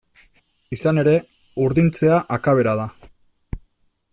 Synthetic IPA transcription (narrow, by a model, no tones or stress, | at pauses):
isane̞ɾe̞ | uɾðint͡se̞aʔakaβ̞e̞ɾaða